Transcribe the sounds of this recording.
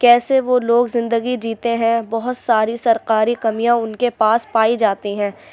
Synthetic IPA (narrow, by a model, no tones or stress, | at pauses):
kɛːseʋoloːɡzɪ̃nd̪əɡid͡ʒiːt̪eɦɛ̃bɔɦʊt̪saːɾisɐɾqaːɾikɐmijãʊnkepaːspaːid͡ʒaːt̪iɦɛ̃ː